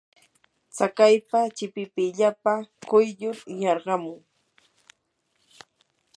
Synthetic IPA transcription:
t͡sakajpat͡ʃɪpɪpɪʎapakʊjʎʊɾjɑɾɢɑmʊŋ

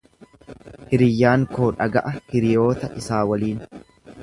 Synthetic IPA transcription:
hɪɾɪjːaːŋko̞ːᶑɐɡɐʔɐhɪɾɪjo̞ːt̪ɐʔɪsaːwɐliːn

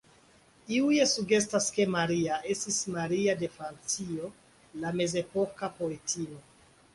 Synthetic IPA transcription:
iuje̞suɡe̞s̬taske̞maɾiae̞stismaɾiade̞fɾant͡sio̞ | lame̞ze̞po̞kapo̞e̞tʰio̞

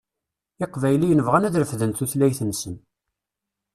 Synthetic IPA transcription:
ɪqvæjlijənəvʁænæðɾəfðənt̪uθlæjθənsən

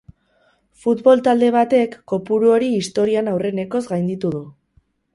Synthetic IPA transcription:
fut̪βo̞lt̪ald̪e̞β̞at̪e̞kːo̞puɾuo̞ɾiːst̪o̞ɾianawre̞ne̞ko̞zɡajnd̪it̪uð̞u

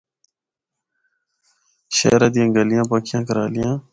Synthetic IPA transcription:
ɕḛːɾɐd̪ijãːŋɡɐlijãːpɐkʰijãːkɐɾaːlijãː

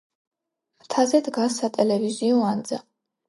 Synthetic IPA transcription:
t̪ʰazɛd̪ɡasːat̪ʼɛlɛviziɔand̪za

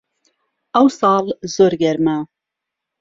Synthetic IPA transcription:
awsɑːlzoɾɡɛɾma

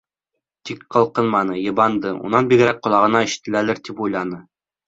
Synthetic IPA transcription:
t̪ikqɤ̆lˠqɤnmɑnɤjɤ̆βɑnd̪ɤṵnɑnbiɡɘ̆ɾæk̚qŏlˠɑʁɤ̆nɑɘ̆ʃɘ̥̆t̪ɘ̆lælɘɾt̪ipujlˠɑnɤ

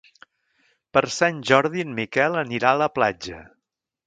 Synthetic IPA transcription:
pəɾsanʲʒɔɾðiənmikɛlˠəniɾaələplad͡ʒə̰

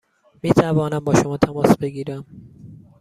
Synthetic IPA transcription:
miːt̪ʰævɒːnæmbɒːʃomɒːt̪ʰæmɒːsbe̞ɡiːɾæm

